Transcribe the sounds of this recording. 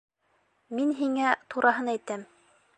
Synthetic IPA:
minɦiŋæt̪uɾʔɑɦɤnæjt̪æm

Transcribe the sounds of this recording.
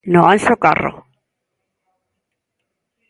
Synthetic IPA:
nɔanɬɔkʼa̰rɔ̰

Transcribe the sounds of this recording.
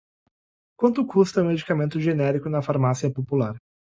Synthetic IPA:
kwɐ̃nt̪ʊkust̪ɐ̃med͡ʒikamẽnt̪ʊʒenɛɾikʊnɐfaɾmasiɐpopulaɾ

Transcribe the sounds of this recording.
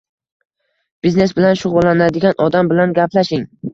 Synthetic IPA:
b̥izne̞sbɪlanʃʊʁʊlːanad̪ɪɡʲanʔɒd̪ambɪlanɡʲapʰlaʃɪŋ

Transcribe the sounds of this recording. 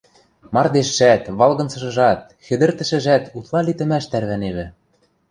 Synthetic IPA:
mɑrd̪eʃːæt̪βɑlɣɤ̆nsɤ̆ʃɤ̆ʒɑt̪̚ | xɘ̆d̪ɘ̆rt̪ɘ̆ʃɘ̆ʒæt̪ut̪lˠɑlit̪ɘ̆mæʃt̪æɾβæneβɘ̆

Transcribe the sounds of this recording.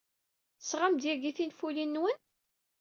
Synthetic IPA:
sʁamd̪jæɡiθinfulinːwən

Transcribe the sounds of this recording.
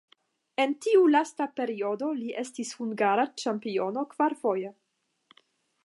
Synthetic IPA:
e̞ntiulastape̞ɾio̞do̞liʔe̞stishuŋɡaɾat͡ʃampio̞no̞kv̥aɾfo̞je

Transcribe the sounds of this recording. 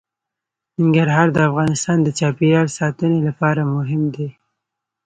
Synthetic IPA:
nɪŋɡaɾɦɑɾd̪əafɣɑnɪst̪ɑnd̪ət͡ʃɑpiɾɑɽsɑt̪ənelapɑɾamʊɦɪmd̪e

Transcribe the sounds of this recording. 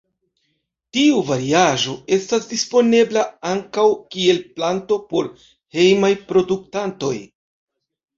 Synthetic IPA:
tiuvaɾiaʒo̞e̞stasdispo̞ne̞blaaŋkawkie̞lplanto̞po̞ɾ | he̞jmajpɾo̞duk̚tanto̞j

